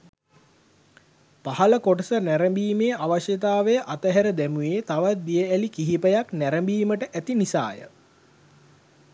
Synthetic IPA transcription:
pahɐləkoʈəsənæɾəmbiːmejʔaʋaʃjet̪̬aːʋejəʔat̪əɦæɾəd̪æmujeːt̪aʋat̪̚d̪ijəælikiɦipəjaknæɾəmbiːməʈəʔæt̪inisa̰ːjə̰

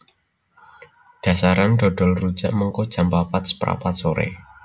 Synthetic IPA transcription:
ɖ̥a̤saɾanɖ̥ɔ̤ɖ̥ɔ̤lru̥d͡ʒ̥aʔməŋkod̥ʒ̥a̤mpapat̪̚sə̥pɾa̰pat̪soɾḛ

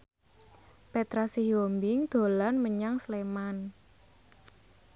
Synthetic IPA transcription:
pet̪ɾasiɦjombɪŋd̪̥o̤lanməɲaŋsleman

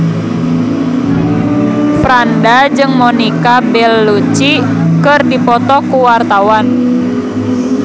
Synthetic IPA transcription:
fɾandad͡ʒɨŋmɔnikabɛlːut͡ʃi | kɨrdipɔt̪ɔkuwart̪awan

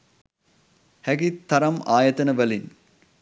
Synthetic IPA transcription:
hæɡit̪ːɐɾɐmaːjət̪ənəʋælin

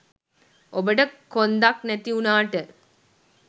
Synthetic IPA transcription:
obəʈəkond̪aknæt̪iunaːʈə

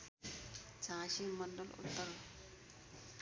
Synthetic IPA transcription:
t͡sãɕiːməɳɖəlṵt̪ːəɾ

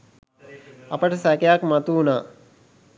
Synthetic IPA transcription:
ɐpəʈɐsækejakmɐt̪uːnaː

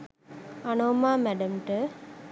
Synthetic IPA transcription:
ɐnoːmaːmæɖɐmʈə

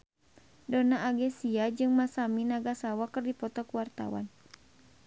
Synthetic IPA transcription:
dɔnaʔːɡɛsiad͡ʒɨŋmasaminaɡasawakɨrdipɔt̪ɔkuwart̪a̰wa̰n

